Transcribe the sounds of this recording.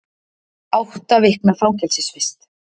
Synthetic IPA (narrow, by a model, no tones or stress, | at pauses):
awht̪avɪhknafawcɛlsɪsfɪst̪